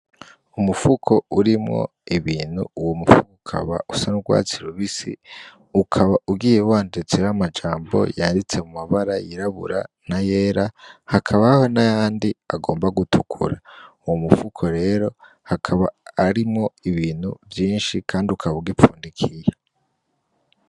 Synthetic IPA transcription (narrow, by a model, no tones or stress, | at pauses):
umufukʰo̞uɾimŋo̰ | iβiːn̥hṵuwomufukoukʰa̰βa̰usanuɡwa̰ːt͡siɾuβisḭ | ukʰaβaʔuɡiːjeuwaːndit͡sejamad͡ʒaːmbo̞̰jandit͡se̞mumaβaɾajiɾaβṵɾanaje̞ːɾahakʰaβaho̞najaːndiaɡo̞ːmbaɡutʰukʰṵɾauwomufukʰo̞ɾe̞ɾo̞ | hakʰaβaːɾimŋo̞iβiːn̥huvjiːnʃikʰaːndiukʰaβauɡipfuːndikʰije